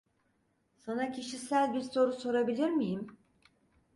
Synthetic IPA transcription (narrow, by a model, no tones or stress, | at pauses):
sanacʰiʃisælʲbiɾso̞ɾuso̞ɾabilʲiɾmijim